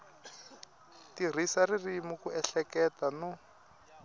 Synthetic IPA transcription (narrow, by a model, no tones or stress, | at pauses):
tir̤isaririmukuɛɬɛkɛtanu